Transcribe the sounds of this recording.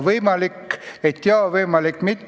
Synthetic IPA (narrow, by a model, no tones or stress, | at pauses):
vɤjmɑlikːet̪ːeɑvɤjmɑlikːmit̪ː